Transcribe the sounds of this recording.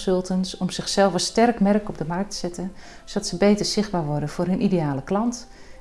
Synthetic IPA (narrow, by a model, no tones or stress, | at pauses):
sɵlˠtənsɔmz̥ɪxsɛlˠfəstɛrkmɛrkɔb̚dəmɑrk̚təsɛtən | sodɑtsəbeːtərz̥ɪxd̚baːɹʋɔrdənfʊːrɦənʔidejaːləklɑnt